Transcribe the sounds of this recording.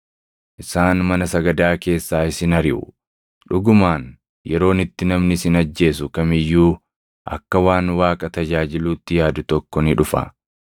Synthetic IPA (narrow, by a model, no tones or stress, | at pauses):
ʔɪsaːnmɐnɐsɐɡɐd̪aːke̞ːsːaːɪsɪnɐɾɪʔʊ̰ | ᶑʊɡʊmaːn | jɛɾo̞ːnɪt̪ːɪnɐmnɪsɪnɐd͡ʒːe̞ːsʊkɐmɪjːuː | ʔɐ̰kːɐwaːnwaːkʼɐt̪ɐd͡ʒaːd͡ʒɪluːt̪ːɪjaːd̪ʊt̪ɔkːɔnɪᶑʊfɐ̰